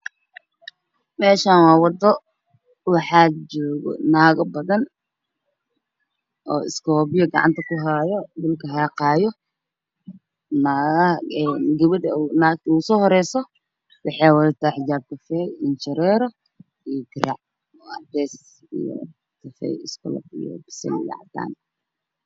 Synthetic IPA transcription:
mɛːʃaːnwɑːwɑd̪ɔ | wɑħad͡ʒɔːɣɔ̰naːɣɐbɐðɐn | ʔɔ̰ːɪ̰skʰɔːβɪjɔɡɑ̰ʕɑ̰nt̪ʰɐkʊɦajɔd̪ʊlkʰɐɦɑːqɑːjɔ | naːɣɐɛnɡɐβɪdɐnausɔːhɔɾɛjsɔ | wɑħɑjwɐðɪt̪ʰaːħɪt͡ʃaːb̚kʰɐfɛɪnt͡ʃɐɾɛːɾɔ | ijɔt̪ʰɪɾa̰ʕ | ɔɐbɛːs | ḭjɔ̰ | kʰɐfɛ̰jɪskʰʊ̰lɔ̰bḭjɔ̰bɪ̥sɛ̰lɪja̰ʕd̪a̰ːn

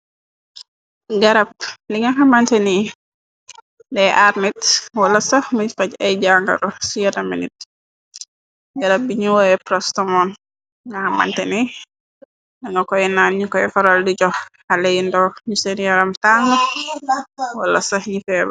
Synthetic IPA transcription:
ɡaɾap̚liŋɡaɦamantɛni | dɛʔaɾnitwalasamuɲfacɛjd͡ʒaŋɡa̰ɾɔsijatamḭnit̚ | ɡaɾap̚biɲuwɔjɛpɾɔstɔmɔn | ŋɡahama̰ntɛni | ndaŋɡakɔjɛnanɲukɔjɛfaɾaldid͡ʒɔh | aleindɔɲusenijaɾamtaŋa | walːasahɲifɛːba

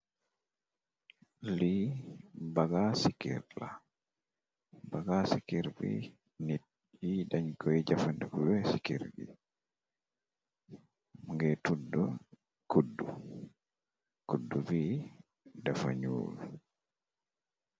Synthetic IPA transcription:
li | baɡasikḭɾla̰ | baɡasikiɾbḭ | ni | jidaɲkʰɔjid͡ʒafandukubɛsikiɾbḭ | ŋɡɛtudːɔ | kudːu | kudːubi | dafa̰ɲṵːlu

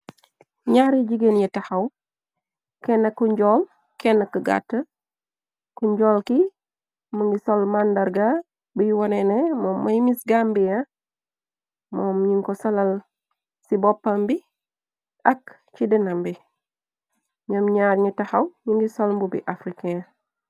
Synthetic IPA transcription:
ɲaːɾiɟiɡenɲitɐhɐw | kɛnːɐkːuɲɟɔl | kɛnːɐkəɡa̰tːə | kuɲɟɔːlki | məŋɡisolmandaɾɡa | bəjiwɔnenemɔːmːɐjmisɡambija | mɔːmɲiŋkɔsɐlɐl | sibɔpːambi | ʔɐk | t͡ʃidinambi | ɲomɲaːɾɲitɐhɐwɲiŋɡisolmbubḭʔafɾikea

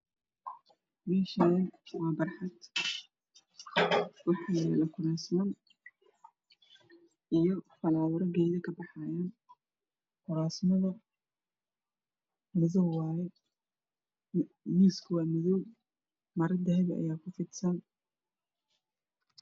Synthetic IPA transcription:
mɛːʃɐɛnwɑːbɐrħɑd̪ | wʊħjlɛlɐkʰʊɾaːsmɐn | ʔijɔfɐlaːwʊɾɐɡɛːðɐkʰɐbɑħɑjaːn | kʰʊɾaːsmɐðɐ | mɪðɔwwɑːjɛ | miːskʰʊwɑːmɪðɔw | mɐɾɪd̪ɐɦɛðɐʔɐ̰jaːkʰʊfɪd̪sɐn

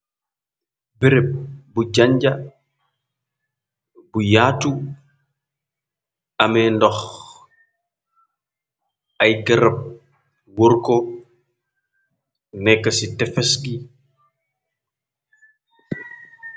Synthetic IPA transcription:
biɾɛp̚buɟaɲɟɐ | bujaːtu | ɐmɛndɔx | ʔɐjɡɐɾɐp̚ | wɔɾkɔ | nɛkːɐsitɛfɛsɡi

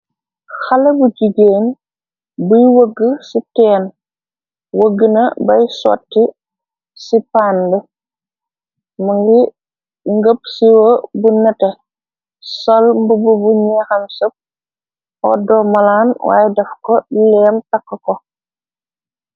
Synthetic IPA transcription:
xɐlɐbud͡ʒiɡeːn | bujwəɡːəsitɛːn | wəɡənɐbɐjsɔ̰tːi | sipaːnbə | mɐŋɡi | ŋɡəp̚siwɐbunɛtɛ | sɔlmbububuɲɛxɐmsɐp̚ | ɔ̰dɔːmɐlaːnwa̰ːjɛdɛfkɔlɛːmtɐkːɐkɔ

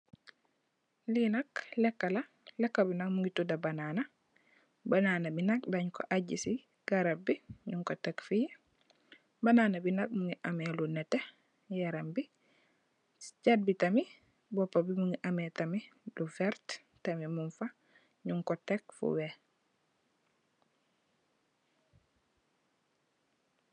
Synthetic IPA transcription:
linaklɛkːala | lɛkːabinak̚muŋɡitudabanana | banaːnabinak̚baɲko̰ʔaɟisi | ɡ̥aɾabiɲuŋkotekfi | banaːnabinak̚muŋiʔamelunɛte | jaɾambi | t͡ʃad̚bitami | bɔpːabimuŋɡiʔamɛtamilufɛɾt | tamimunfa | ɲuŋkɔtɛkfṵwɛ

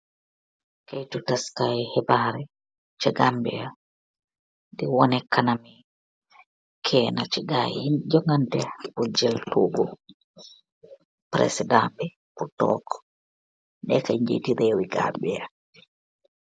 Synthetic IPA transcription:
kejtutaskajhɛbaːɾɛ | t͡ʃɛɡambɛ̰ja | dɛwɔnɛkanami | kʰɛːnat͡ʃɛɡaid͡ʒɔŋantɛbɔd͡ʒɛltʰubɔ | pɾɛ̰sɛdambɛ | putɔ̰kɔ̥ | ndɛ̰kaɲd͡ʒḛtiɾɛwiɡa̰ɓɛja

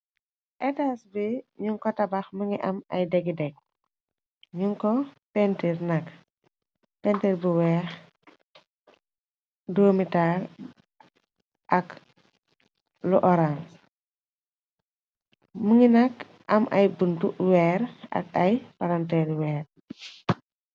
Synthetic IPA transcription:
ʔɛtasbiɲuŋkɔtɐbɐxmuŋiʔɐmɐ̰jdɛɡidɛk̚ | ɲuŋkɔpɛntiɾnɐk | pɛntiɾbuwɛːx | doːmitaːl | ʔɐk | luʔɔɾans | muŋinɐk | ʔɐmʔɐjbuntuwɛːɾɐ̰kɐjpɐɾɐntɛːlwɛːr

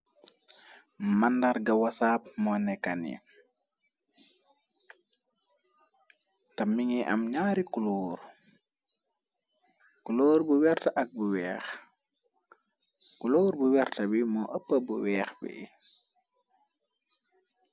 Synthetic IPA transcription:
mandaɾɡɐwasaːp̚mɔnɛkːanḭ | tɐmːiŋiʔɐ̰mɲaɾikuloːɾ | kuloːɾbuwɛrtɐʔɐk̚buwɛːx | kuloːɾbuwɛrtɐbimɔʔɐpːəbuwɛːxbḭ

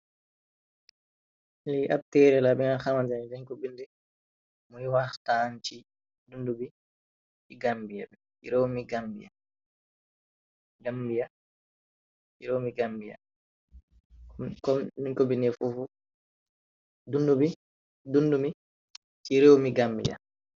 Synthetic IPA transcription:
liʔab̚tɛɾɛlabɛŋaxamand͡ʒand͡ʒaɲkɔbindɛ | muiwaxtant͡ʃi | dundubi | iɡambijabɛ | ḭɾewmiɡambḭja̰ | ɡambija | t͡ʃiɾewmiɡambija̰ | kɔniɲkɔbindɛfufu | dundubi | dundumi | t͡ʃiɾewmiɡambḭja̰

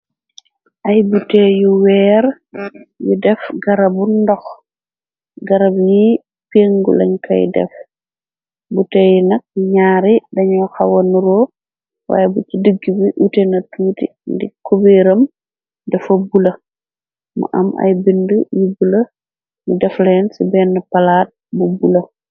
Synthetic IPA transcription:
ʔɐjbutejuwɛːɾ | jidɛfɡɐɾɐbundɔx | ɡɐɾɐbji | peːŋɡṵlɐ̰ɲkɐ̰jdɛ̰f | butɛːjunɐk̚ɲaːɾidɐɲɔxɐwɐnuɾɔː | wa̰ːjɛbut͡ʃidəɡːibiʔutɛnɐtuːtḭ | ndikubeːɾɐm | dɛfɐbulɐ | mɐ̰ʔɐ̰mɐ̰jbindəjibulɐ | judɛflɛːnsibɛːnːəpɐlaːt̚bubulɐ

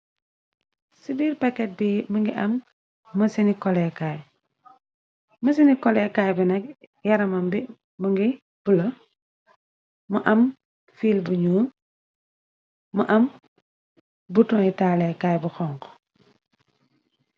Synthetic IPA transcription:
sibiːɾpakːɛt̚biməŋɡiʔɐmː | ɐsinikɔlɛkaj | mɐs̬inikɔlɛkaːjbinɐk̚ | jɐɾɐmɐmbi | məŋɡi | b̥ulɐ | mɐʔɐm | fiːlbuɲuːn | mɐʔɐm | butɔitaːlɛkaːjbuxɔŋkɔ̥

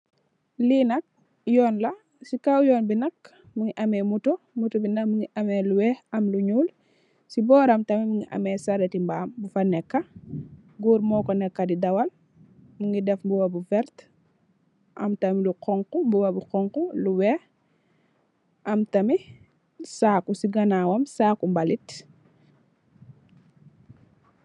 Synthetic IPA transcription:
liːnɐk̚ | jɔːnlɐ | sikawjɔːnbinɐk̚ | muŋiʔɐmɛmutu | mutubinɐkmuŋiʔɐmɛluwɛhɐmluɲuːl | sibɔːɾɐmtɐmimuŋɡiʔɐ̰mɛsɐɾɛtimbaːmbufɐnɛkːɐ | ɡuːɾmɔːkɔnɛkːɐdidɐwɐl | muŋɡidɛfmbuwɐbufɛɾt | ʔɐ̰mtɐmiluqɔŋkumbuwɐbuqɔŋkuluwɛh | ʔɐmtɐmi | saːkusiɡɐnawɐmsaːkumbɐlit

